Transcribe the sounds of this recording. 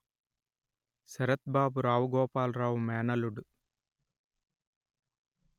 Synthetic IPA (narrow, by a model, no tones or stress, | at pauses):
sɐɾɐt̪̚baːbuɾaːʋɡɔːpaːlɾaːʋmeːnɐluɽu